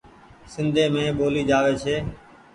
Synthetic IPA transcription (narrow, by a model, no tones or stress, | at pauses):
sɪnd̪ʱeːmẽːɓoːliːd͡ʒaːʋeːt͡ʃʰeː